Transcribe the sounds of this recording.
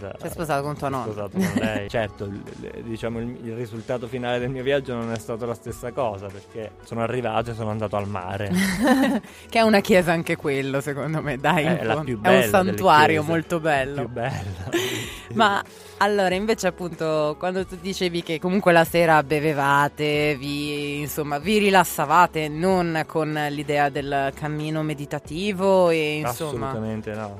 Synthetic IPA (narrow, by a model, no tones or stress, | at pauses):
sajspozaːt̪okont̪uanɔtozaːt̪oonlɛjt͡ʃɛrt̪od̪it͡ʃaːmoililrizult̪aːt̪ofinaːled̪elmiːovjad͡ʒːononɛst̪aːt̪olast̪esːakɔːzaperk̟esoːnoarːiva̰ːt̪oesːoːnoand̪aːt̪oalma̰ːɾe | keɛunakjɛːzaaŋkekwelːosekond̪omed̪ajinpjubɛunsant̪uaːɾjomolt̪obɛlːojubɛlːama | alːoːɾaiɱveːt͡ʃeapːunt̪okwand̪ot̪ud̪it͡ʃeːvik̟ekːomuŋkwelasɛːɾabevevaːt̪eviːnsomːaviɾilasːavaːt̪enonkʰonlid̪ɛːad̪elkʰamːiːnomed̪it̪at̪iːvoeinsomːaament̪enɔ